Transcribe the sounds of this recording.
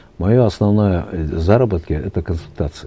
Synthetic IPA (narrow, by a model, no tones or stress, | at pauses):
mɐjoɐsnɐvnojəzaɾəbət̪kʲəɛt̪əkənsʊlʲt̪at̪sɨ